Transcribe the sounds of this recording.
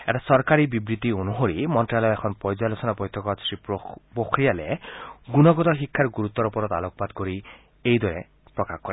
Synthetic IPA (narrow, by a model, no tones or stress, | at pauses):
ɛ̰ʈasɔɾkaɾibibɾit̪ionuɦoɾimɔnʈɾalɔjɛkʰɔnpɔɾd͡ʒalosɔnabɔjt̪ʰːɔkɔsɾipokʰɾijaleɡunɔɡɔd̪ɔɦikʰːaɾɡuɾut̪ːɔɾopɔɾɔt̪a̰lokɔpad̪koɾi | ejd̪ɔɾɛ | pɾɔkakkɔɾe